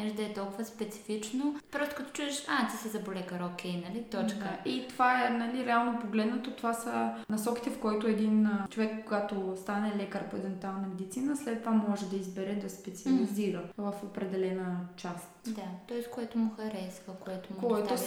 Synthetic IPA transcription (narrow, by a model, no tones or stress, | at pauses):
ɛʒd̪ɐɛt̪ɔlˠkʊvəspɛt̪si̥fit͡ʃnopɾɔst̪ʊ̥kɐt̪ɔ̥t͡ʃuɛʃat̪isɛzɐbolɛkɐɾokʲɛjnɐlit̪ɔt͡ʃkəʔit̪ovaɛnɐliɾɛalˠnopoɡlɛd̪nɐt̪ot̪ovasənɐsɔki̥t̪ɛfkɔjt̪oɛd̪int͡ʃovɛkːoɡat̪ost̪anɛlɛkəɾpoɛd̪ɛnt̪ualˠnɐmɛd̪it̪sinəslɛt̪̚pamɔʒɛd̪ɐizbɛɾɛd̪ɐspɛt̪siɐliziɾəvɐfopɾɛd̪ɛlɛnət͡ʃast̪d̪at̪ɔɛskoɛt̪ʊmʊxɐɾɛsvəkoɛt̪omkoɛt̪o